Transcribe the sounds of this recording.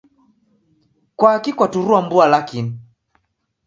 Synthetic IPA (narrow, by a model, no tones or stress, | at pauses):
kwakikwatuɾuambualakin